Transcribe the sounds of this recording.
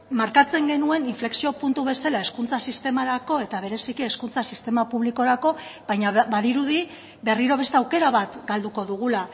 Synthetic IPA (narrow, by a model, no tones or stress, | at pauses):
maɾkat͡se̞ŋɡe̞nue̞niɱfle̞ksio̞punt̪uβe̞salae̞skunt͡sasist̪e̞maɾako̞e̞t̪aβ̞e̞ɾe̞sikie̞skunt͡sasist̪e̞mapuβ̞liko̞ɾako̞β̥ajɲabaðiɾuði | be̞riɾo̞β̞e̞st̪e̞awke̞ɾaβat̪ɡald̪uko̞ðuɣ̞ula